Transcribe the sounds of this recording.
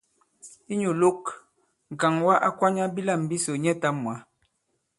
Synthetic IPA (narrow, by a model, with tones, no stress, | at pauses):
i˦ɲu˨lo˦k | ŋ̩˨ka˨ŋwa˦ʔa˦kwa˦ɲa˦bi˦la˦˨m˨bi˦so˨ɲɛ˦ta˦mwa˨˦